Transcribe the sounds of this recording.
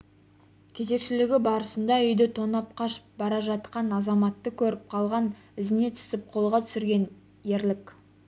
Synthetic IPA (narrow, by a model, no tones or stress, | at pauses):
kʲʰe̞ze̞kʃɪlɪɡʲɪbɑɾəsənd̪ɑʏjd̪ɪt̪ʰo̞nɑp̚qʰɑʃə̥p̚bɑɾɑʒɑt̪qɑnɑzɑmɑt̪ːəkʲʰɵɾɪp̚qʰɑlˠʁɑn | ɪzɪne̞t̪ʰʏ̥sɪp̚qʰo̞lˠʁɑt̪ʰʏ̥sɪɾɡʲe̞n | je̞ɾlɪkʲ